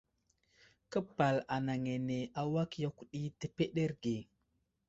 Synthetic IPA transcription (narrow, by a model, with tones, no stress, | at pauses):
kə˦pa˨la˨na˨ŋe˨ne˨ʔa˨wa˦kja˦ku˦ɗi˦tə˨pe˦ɗe˦ɾɡe˨